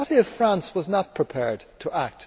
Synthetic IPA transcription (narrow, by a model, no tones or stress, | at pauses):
ɾiʌv̥fɹæ̃nswʌznət̚pʰɹ̥ɨpʰɛɹd̚tʰəʔæk̚t